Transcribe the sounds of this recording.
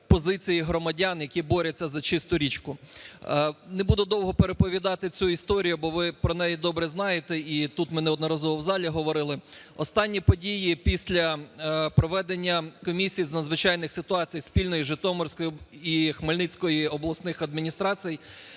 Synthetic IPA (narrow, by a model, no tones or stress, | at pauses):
pɔzɪt͡sʲijiɦɾɔmɐdʲɑnjɐkʲibɔɾʲɐt͡sʲːɐzɐt͡ʃɪst̪ʊɾʲit͡ʃkʊ | nebud̪ʊd̪ɔwɦɔpeɾepɔʋʲid̪ɑt̪ɪt͡sʲuist̪ɔɾʲijʊbɔʋɪpɾɔnɛjɛd̪ɔbɾɛznɑjet̪ɛit̪ut̪mɪnɛɔd̪nɐɾɑzɔʋɔwzɑlʲiɦɔʋɔɾɪlˠɪ | ɔst̪ɑnʲːipɔdʲijipʲisʲlʲɐpɾɔʋɛd̪enʲːɐkɔmʲisʲijznɐd̪zʋɪt͡ʃɑjnɪxsɪt̪ʊɑt͡sʲijspʲilʲnɔjiʒɪt̪ɔmɔrsʲkɔjiixmɐlʲnɪt͡sʲkɔjiɔblˠɐsnɪxɐd̪mʲinʲist̪ɾɑt͡sʲijj